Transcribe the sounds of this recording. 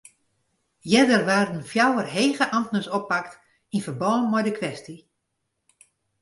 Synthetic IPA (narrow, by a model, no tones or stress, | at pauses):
jɛdərʋaːrdən̩fjawərɦeːɣəʔamtnəsopːakt | infərbɔːnmɔjdəkʰʋɛsti